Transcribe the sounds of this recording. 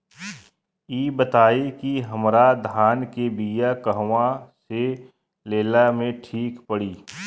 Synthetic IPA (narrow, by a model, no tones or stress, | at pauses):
iːbət̪aːikiɦɐmɾad̪ʱaːnkebijakəɦʋãse | leːlamẽʈʰiːkpəɽiː